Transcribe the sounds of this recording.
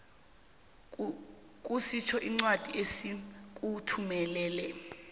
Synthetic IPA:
k̬ʼusit͡ʃʰɔʔiŋ͡ǀwad̥ʱiesik̬ʼutʰumɛlɛːlɛ

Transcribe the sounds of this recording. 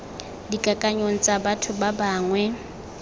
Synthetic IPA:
dikʼakʼaɲon̩t͡sʼabatʰʊbabaːŋwɛ

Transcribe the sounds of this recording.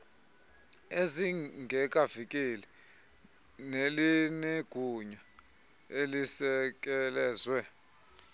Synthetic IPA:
eziŋʱɛkʼavik̬ʼeli | nelineɡ̥ʱuɲa | elisɛk̬ʼɛlɛːzwɛ

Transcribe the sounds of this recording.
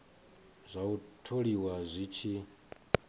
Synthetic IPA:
zʷautʰoɺiwazʷit͡ʃʰi

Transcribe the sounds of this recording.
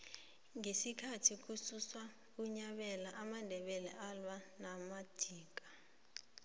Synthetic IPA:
ŋesikʰatʰik̬ususwa | k̬uɲaɓɛlaʔamandʱɛɓɛlɛʔalwanamad̥ʱiːk̬ʼḁ

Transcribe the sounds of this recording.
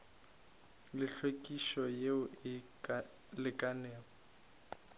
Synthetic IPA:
lɪɬwekʼiʃɔjeʊɪ | lɪkʼanɛːlɔ

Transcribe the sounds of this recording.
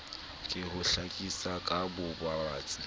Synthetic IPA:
kʼɪhʊɬakʼisakʼabʊbwabaːt͡sʼi

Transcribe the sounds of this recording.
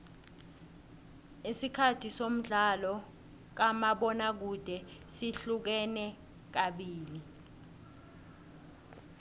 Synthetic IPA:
isikʰatʰisom̩ɮalɔ | k̬amaɓɔnak̬ud̥ʱɛsiɬuk̬ɛnɛ | k̬aɓiːli

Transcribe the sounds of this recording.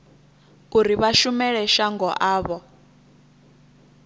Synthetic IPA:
kuɾiβaʃumɛɺɛʃaŋɡɔʔaːβɔ

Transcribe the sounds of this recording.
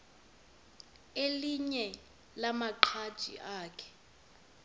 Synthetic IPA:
eliɲɛ | lamaǃʰad̥ʒ̥ʱḭʔaːkʰɛ̥

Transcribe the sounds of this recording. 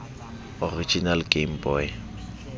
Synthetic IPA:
ɔrit͡ʃʼinalkʼem̩bɔːj

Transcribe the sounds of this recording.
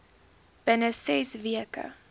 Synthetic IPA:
b̥ənəsɛsviəkə̰

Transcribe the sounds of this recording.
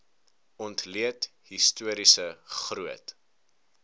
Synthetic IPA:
ɔntliətɦistuəɾisəχruət

